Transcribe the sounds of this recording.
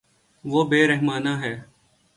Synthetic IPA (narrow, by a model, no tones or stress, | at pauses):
ʋoːbeːɾeɦmaːnaːɦɛː